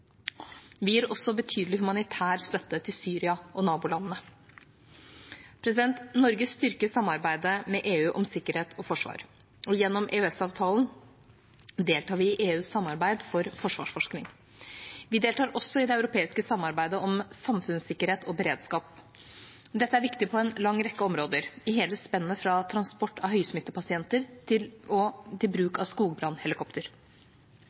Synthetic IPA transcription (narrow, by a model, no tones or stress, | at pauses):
ʋɪjiːɾɔsːɔbət̪ʰyːd̪lɪhʉmɑnɪt̪ʰæːɾst̪œt̪ːət̪ʰɪlsyːɾɪɑʔɔnɑːbʊlɑnːənə | pʰɾɛsɪd̪ɛnt̪nɔɾɡəsst̪ʏɾkəsɑmːɑɾbæɪd̪əmɛʔeːʉːʔɔmsɪkːəɾheːt̪ʰɔfɔʂʋɑ̰ːɾ | ɔjɛnːɔmʔeːœɛsɑːʋt̪ʰɑːln | d̪eːlt̪ʰɑːɾʋɪɪʔeːʉːsːɑmːɑɾbæɪd̪fɔɾfɔʂʋɑ̰ːʂfɔʂknɪŋ | ʋɪd̪eːlt̪ʰɑːɾʔɔsːɔɪd̪ɛɑʉɾʊpʰeːɪskəsɑmːɑɾbæɪd̪əɔmsɑmfʉnsɪkːəɾheːt̪ʰɔbəɾeːd̪skɑːp | d̪ɛt̪ːəæɾʋɪkt̪ɪpʰɔɛnlɑŋːɾɛkːəɔmɾoːd̪əɾɪɦɛːləspɛnːəfɾɑt̪ʰɾɑnspɔʈːɑʋɦœʏsmɪt̪ːəpɑsɪɛnt̪əɾt̪ʰɪlɔt̪ʰɪlbɾʉːkɑʋskuːɡbɾɑnːhɛlɪkʰɔpt̪əɾ